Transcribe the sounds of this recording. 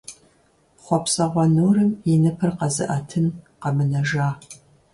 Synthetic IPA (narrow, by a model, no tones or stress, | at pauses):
χʷɔpsɐʁʷɔnuːrɨminɨpʰɐrqɐzɨ̰ʔɐtʰɨnqɐmɨnɐʒaː